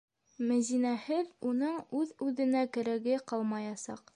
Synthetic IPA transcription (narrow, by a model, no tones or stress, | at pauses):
mæ̆zinæhɘðunɤɴʉðʉðɘ̆nækɘ̆ɾæɡɘqɑlˠmɑjɑsɑ̰q